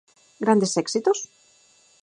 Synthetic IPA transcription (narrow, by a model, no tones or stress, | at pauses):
ɡɾand̪e̞seksit̪os